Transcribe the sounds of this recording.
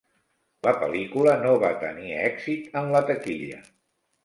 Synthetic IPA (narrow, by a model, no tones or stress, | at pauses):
ləpə̰likulənoβa̰t̪ə̰niɛɡzit̪ənlət̪əkiʎə̰